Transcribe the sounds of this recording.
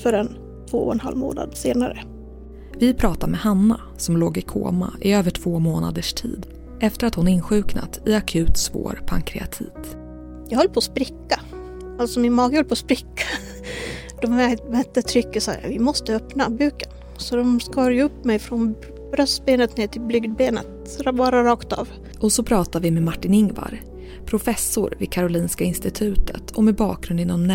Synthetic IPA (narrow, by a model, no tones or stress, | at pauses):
fœɾɛn | t̪ʰv̥oːɔɛnha̰lmo̰ːna̰d̪seːnaɾə̰ | vɪpʰɾɑːt̪aɾmɛhanːa | sɔmloːɡɪkʰo̰ːma̰ʔɪøːvəʈʰv̥oːmoːna̰d̪əʂʈʰḭːd̪ | ʔɛft̪əɾat̪hʊnɪnɧʉ̟ːkna̰t̪ɪakʰʉ̟ːt̪svo̰ːɾpʰaŋkʰɾɛ̰a̰t̪ʰḭːt̪ | jɑɡhɔlːəpʰoːspɾɪkːa | alt̪sɔmɪnmɑːɡəhɔlːəpʰoːspɾɪkːḁ | d̪̥ɔmvæɾt̪bɛt̪ːət̪ʰɾʏkːəsa̰ɾa̰vɪmɔst̪əœpnabʉ̟ːkən | sɔd̪ɔmskɑːɾjəɵpːmɛjfɾɔn | bɾœst̪beːnət̪neːt̪ʰɪlblʏɡd̪̚beːnə̰t̪ | ɾvɑːɾaɾɑːkt̪ɑ̰ːv | ʔɔsɔpʰɾɑːt̪aɾvɪmɛmaʈːɪnɪŋva̰ɾ | pʰɾʊfɛsːʊɾvɪ̰kʰaɾʊliːnskaɪnst̪ɪt̪ʰʉ̟ːt̪ʰə̰t̪ʰɔmɛbɑ̰ːk̚ɡɾɵnd̪ɪnɔnm